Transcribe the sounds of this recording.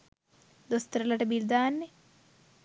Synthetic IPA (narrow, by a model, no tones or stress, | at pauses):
d̪ost̪ɐɾɐlɐʈɐbild̪aːɐnːi